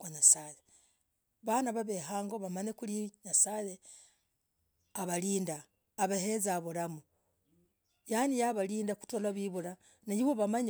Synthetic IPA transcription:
kwaɲasaje | βanaβaβeɦaːŋɡoβamaɲekuliɲasaje | aβaliːndaː | βehezaβuɾamu | janijaβaliːndaku̥tolaβiβuɾa | najiβoβamaɲ

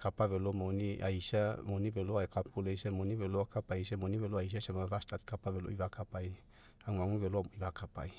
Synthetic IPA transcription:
kapaβelomoniʔa̰jsamoniveloajkapulejsamoniβeloakapajs̬amoniβeloajs̬asamavast̪at̪̚kapaβelo̰iβakapaj | aŋaŋuβeloiβakapa̰j

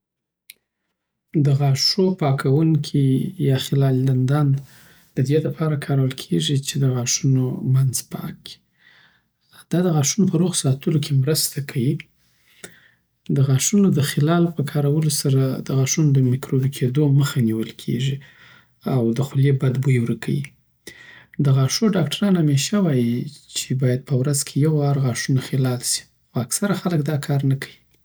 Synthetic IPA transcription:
d̪əɣɑʂopɑkʰawuŋkʰijɑxɪlɑlland̪ɑn | d̪̥əd̪elapʰɑɾakʰɑɾawəlkʰeʐit͡ʃed̪əɣɑʂunomanzpɑ̰k̚i̥ | d̪̥ɑd̪əɣɑʂunopəɾoɣsɑt̪əlokʰemɾəst̪akʰawi | d̪əɣɑʂunod̪əxɪlɑlpəkʰɑɾawəlosaɾad̪əɣɑʂunod̪əmɪkɾobikʰed̪oməxaniwəlkʰḛʐi | awd̪əxʊljebad̪bujwɾəkʰa̰wḭ | d̪əɣɑʂoɖɑkʈaɾɑnhameʃawɑjit͡ʃebɑjad̪̚pʰəwɾazkʰejawɑɾɣɑʂunaxɪlɑlsi̥ | xoaksaɾaxaləkd̪ɑkʰɑɾnakʰawi

